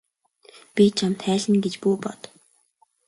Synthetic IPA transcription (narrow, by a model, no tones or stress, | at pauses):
pʲit͡ɕʰamt̪χæːɮɘ̆nɡet͡ɕpuːpɔt̪